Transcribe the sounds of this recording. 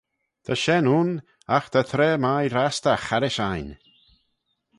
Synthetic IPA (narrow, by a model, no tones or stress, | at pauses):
t̪ʰəʃɛnuːn | axt̪ʰət̪ʰɾɛːmajɾast̪əxaɾɪʃajn